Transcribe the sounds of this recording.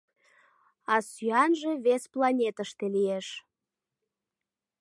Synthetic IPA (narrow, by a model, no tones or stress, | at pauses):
ɑsyɑnʒeβesplɑnʲet̪əʃt̪elieʃ